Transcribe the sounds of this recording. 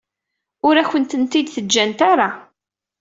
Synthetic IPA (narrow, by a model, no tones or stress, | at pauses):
ʊɾæçənt̪ənt̪id̪θəd͡ʒːænt̪aɾa